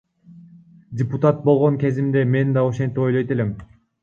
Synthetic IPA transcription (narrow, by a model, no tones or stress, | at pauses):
dʲɪput̪at̪̚bo̞lˠʁoŋkʲe̞zimd̪e̞me̞nd̪ɑoʃe̞nt̪ipo̞jlˠojt̪e̞lem